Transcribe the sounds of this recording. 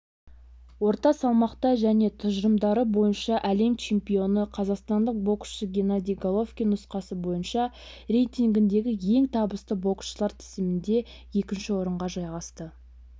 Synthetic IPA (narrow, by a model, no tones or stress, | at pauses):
wo̞ɾt̪ɑsɑlˠmɑqt̪ɑʒæne̞t̪ʰʊʒəɾəmd̪ɑɾəbo̞jənʃɑʔæle̞mt͡ʃʰe̞mpijo̞nəqʰɑzɑqst̪ɑnd̪əq̚bo̞ksʃəɡʲe̞nad̪ʲijɡolˠo̞fkʲijnʊsqɑsəbo̞jənʃɑ | ɾe̞jt̪iŋɡʲɪnd̪e̞ɡʲɪje̞ŋt̪ʰɑbəst̪əbo̞ksʃəlˠɑɾt̪ʰɪ̥zɪmɪnd̪e̞ | je̞kʲɪnʃɪwo̞ɾəɴʁɑʒɑjʁɑst̪ə